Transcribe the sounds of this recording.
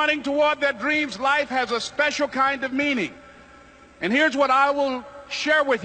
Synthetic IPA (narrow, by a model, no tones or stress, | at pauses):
ɾ̃ɪ̃ŋtʰəwɔɹd̪̚ðɨt̚dɹĩmzlaɪfhɨzəspɛʃl̩ˠkʰãɪ̃ndʌvmĩnɪ̃ŋ | ɨ̃nhiɹzwʌɾaɪwɪlˠʃɛɹwɪð